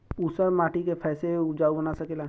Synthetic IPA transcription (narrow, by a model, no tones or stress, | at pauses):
usəɾmaːʈikepʰɛːseʊd͡ʒaːubənasɐkeːla